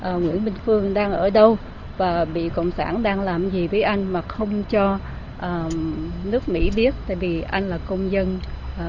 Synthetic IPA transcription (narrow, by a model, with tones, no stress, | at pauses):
ʔəː˨˩ŋwḭ˧˥ənɓï˧ŋ̟fɨ˧əŋɗaː˧ŋʔəː˧˩ɗə˧w | vaː˨˩ɓḭ˧˨kə̰˧˨wŋ͡msa̰ː˧˩nɗaː˧ŋlaː˨˩mzi˨˩vəː˨˦jʔa˧jŋ̟maː˨˩xə˧wŋ͡mt͡ɕɔ˧ | ʔəː˨˩nɨ˦˥ək̚mḭ˧˥ɓi˦˥ət̚t̪a̰ː˧˨jvi˨˩ʔa˧jŋ̟laː˨˩kə˧wŋ͡mzə˧n˨